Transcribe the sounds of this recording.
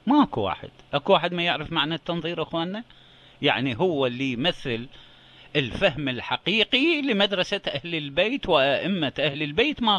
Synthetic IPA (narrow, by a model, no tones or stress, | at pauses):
maʔakuwa̰ːħɪ̰d̪̥ʔakuwaːħɪd̪majɪʕɾɪfmaʕnat̪ːɑnðˤiːɾʔaxwaːnːa | jaʕniɦʊwːalːijmaθːɪl | ʔɪlfahmɪlħaqiːqilɪmad̪ɾˤɑsaʔahlɪlbeːt̪wɪʔaʔɪmːaʔahlɪlbeːt̪ma